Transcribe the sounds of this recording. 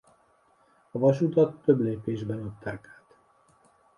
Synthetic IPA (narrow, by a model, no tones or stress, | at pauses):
ɒvɒʃut̪ɒt̪ːø̞bleːpeːʒbɛnɒt̚t̪ːaːkaːt̪